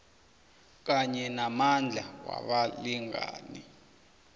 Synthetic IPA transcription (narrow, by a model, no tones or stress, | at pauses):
k̬aɲɛnamand͡ɮʱawa̰ɓaliŋa̰ːni